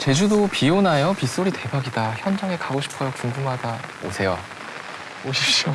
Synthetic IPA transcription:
t͡ɕe̞d͡ʑudopionajʌpis͈oɾite̞baɡidaçjʌnd͡ʑaŋekaɡoɕʰi̥pʰʌjʌkuŋɡumaɡao̰sʰe̞jo̰ | oɕʰip̚ɕ͈io

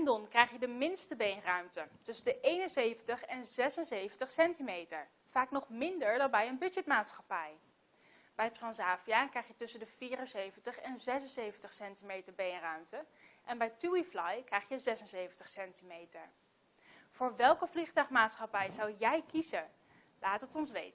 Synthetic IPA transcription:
ndɔnkrɛjχjədəmɪnstəbejnrœɥmtətɵsəndəʔejnənsejvəntəχɛnzɛsənzejvəntəχsɛntimejtəɹ | v̥aːknɔχmɪndəɹdɑnbɛjənbɵd͡ʒɛt̚maːtsχɑpɛj | b̥ɛjtrɑnsaːfijaːkrɛjχjətɵsəndəv̥iːrənsejvəntəχɛnzɛsənsejvəntəχsɛntimejtəɹbejnrœɥmtəʔɛnbɛjtuiflɑjkrɛjχjəzɛsənsejvəntəχsɛntimejtəɹ | v̥ʊːɹʋɛlˠkəvliχtœɥχmaːtsχɑpɛjzɑwjɛjkizə | laːtɦətɔns̬ʋḛjt

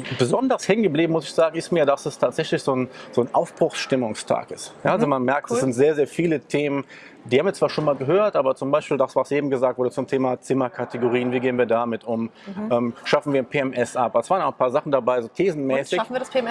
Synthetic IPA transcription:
bəzɔndɐʁshɛŋənɡəbliːbm̩mʊsɪçz̥aːɡŋ̩ɪstmiːɐdasɛstʰaːtz̥ɛçlɪçz̥oːnz̥oːnʔa̰ʊfb̥ʁ̥ʊxsʃtɪmʊŋstʰa̰ːkɪstjaːalzomanmɛɐk̚td̥ɛsz̥ɪntz̥eːɐzeːɐfiːlətʰeːmən | diːhabm̩viɐt͡sv̥aːɐʃoːnmaːlɡəɦøːɐtʔaːbɐt͡sʊmbaɪʃpiːldasv̥asʔeːbm̩ɡəzaːk̚t̚v̥ʊɐːdət͡sʊmtʰeːmat͡sɪmɐkʰateɡoʁiːənviːɡeːənviːɐdamɪtʊm | ʔɛːmʃafn̩viːɐnpʰeːɛmʔɛsʔapasvaːʁənʊχnpʰaːɐzaχn̩dabaɪzoːtʰeːzn̩mɛːsɪç

